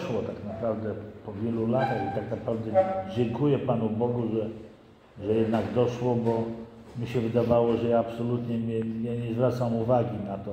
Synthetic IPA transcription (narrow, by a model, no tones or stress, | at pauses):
ʂwɔt̪aknapɾavd̪ɛpɔvʲjɛlulat̪axit̪aknapɾavd̪ɛd͡ʑɛŋkujɛpanubɔɡuʐɛ | ʐɛjɛd̪naɡd̪ɔʂwɔbɔ | mʲiɕɛvɘd̪avawɔʐɛjaːpsɔlut̪ɲɛmʲɛaɲɛzvɾat̪samuvaɡʲinat̪ɔ